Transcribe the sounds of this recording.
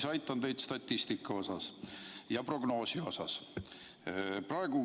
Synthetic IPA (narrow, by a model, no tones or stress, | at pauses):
sɑjt̪ˑːɑnt̪e̞jd̪̥st̪ɑt̪ʲːist̪ikːˑɑo̞sɑsjɑpro̞ɡ̥no̞ːsio̞sɑs | prɑe̞ɡ̥u